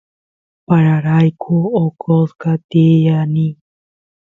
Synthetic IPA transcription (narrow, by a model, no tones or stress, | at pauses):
paɾaɾajkʰuokʰoskat̪ijani